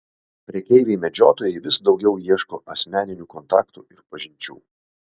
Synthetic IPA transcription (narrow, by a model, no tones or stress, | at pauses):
pʲɾʲiɛkʲɛɪʋʲeɪmʲɛd͡ʒʲoːt̪oːjɛɪʋʲɪsd̪ɒʊɡʲɛʊjiɛʃkoːʔɐsʲmʲæːnʲɪnʲuːkɔnt̪ɑːkt̪ṵːɪɾpɐʒʲɪnʲt͡ʃʲṵː